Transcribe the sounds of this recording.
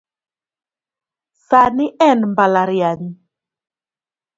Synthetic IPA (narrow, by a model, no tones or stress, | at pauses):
saniʔɛnmbalaɾiani